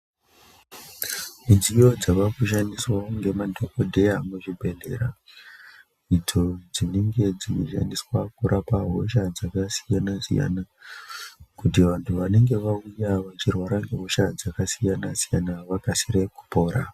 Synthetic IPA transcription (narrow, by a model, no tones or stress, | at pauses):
mid͡zijo̞d͡zaʋakuʃ̬aniswauŋɡe̞madʱokodʱejamuʐibʱe̞ɮe̞̰ɾa | id͡zo̞d͡zine̞ŋɡe̞d͡ziʃa̰ndiswakuɾʔapaɦo̞̰ʃad͡zakasijanasḭja̰na | kutiʋantʰuʋane̞ŋɡe̞ʋaujaʋat͡ʃirwaɾaŋɡeɦo̞ʃad͡zakasijanasijanaʋakasiɾeku̥po̞ːɾa